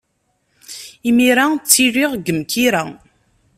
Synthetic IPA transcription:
imiɾat͡sːiriʁɡəmkiɾa

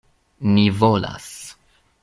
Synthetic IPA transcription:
nivola̰s

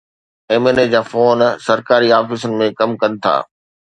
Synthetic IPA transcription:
eːmened͡ʑaːfoːnsɐɾkaːɾiaːfɪsʊnɪ̆mẽkɐmkɐnɪ̆t̪ʰa̰ː

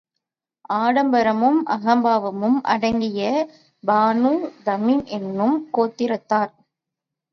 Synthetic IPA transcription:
ʔaːɽɐmbɐɾɐmɯmʔɐ̰ɣɐmbaːʋɐmɯmʔɐ̰ɽɐŋɡɪjɐ | baːnuːd̪ɐmiːnʔɛnːɯmkoːt̪ːɪɾɐt̪ːaːɾ

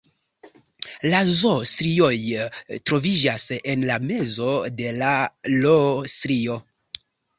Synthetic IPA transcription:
lazostɾio̞jtɾo̞vid͡ʒase̞nlame̞zo̞de̞lalosɾio̞

